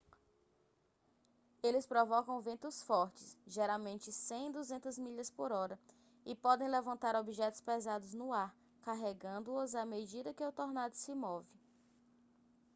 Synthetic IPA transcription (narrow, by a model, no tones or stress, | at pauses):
elɪspɾɔvɔkɐ̃w̃vẽnt̪ʊsfɔɾt͡ʃɪ̥sʒɛɾawmẽnt͡ʃɪsẽj̃id̪uzẽnt̪ɐzmiʎɐspoɾɔɾɐ | ɪpɔd̪ẽj̃lɛvɐ̃nt̪aɾobiʒɛt̪ʊ̥spɛzad̪ʊznʊaɾ | kaɦɛɡɐ̃nd̪ʊʊzamed͡ʒid̪ɐkɪot̪oɾnad̪ʊsɪmɔvɪ